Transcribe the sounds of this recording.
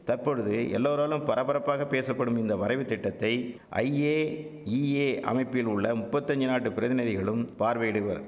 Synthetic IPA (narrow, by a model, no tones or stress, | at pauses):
t̪ɐrpɔɻɯðɯɛ̰lːoːɾaːlɯmpɐɾɐpːɐɾɐpːaːɣɐpːeːsɐpːɐɽɯmɪnd̪ɐʋɐɾɐɪʋɯt̪ːɪʈːɐt̪ːɐɪʔɐ̰ɪeː | iːeːɐ̰mɐɪpːɪlʊɭːɐmʊpːɐt̪ːɐɲd͡ʒɯnaːʈːɯpɪɾɐðɪnɐðɪɣɐɭɯmpaːɾʋeːɽɯʋɐ̰ɾ